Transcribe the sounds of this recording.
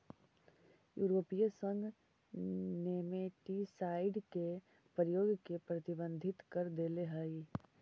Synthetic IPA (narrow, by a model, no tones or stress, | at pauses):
juːɾoːpijəsə̃ŋɡ | neːmeʈisaːɪɖke | pɾjoːɡkepɾɐt̪ɪbə̃nd̪ʱɪt̪kəɾd̪eːleɦəi